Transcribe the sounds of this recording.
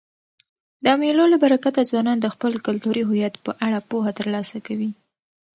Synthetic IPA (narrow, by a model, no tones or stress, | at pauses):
d̪əamelolabaɾakat̪azwɑnɑnd̪əxpəlkʊlt̪uɾiɦʊjat̪pəʔaɽapoɦat̪əɾlɑsakawi